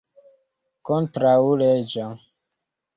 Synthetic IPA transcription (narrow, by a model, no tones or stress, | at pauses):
kɔntɾauled͡ʒa